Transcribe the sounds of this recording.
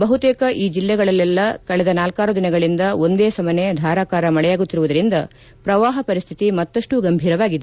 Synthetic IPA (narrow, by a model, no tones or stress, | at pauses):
bɐɦut̪eːkɐʔiːd͡ʒilːɛɡɐɭɐlːɛlːɐkɐɭɛd̪ɐnaːlkaːɾud̪inɐɡɐɭind̪ɐo̞nd̪eːsɐmɐned̪ʱaːɾaːkaːɾɐmɐɭɛjaːɡut̪ːiɾuʋud̪ɐɾind̪ɐ | pɾɐʋaːɦɐpɐɾist̪ʰi̥t̪imɐt̪ːɐʂʈuɡɐmbʱiːɾɐʋaːɡid̪e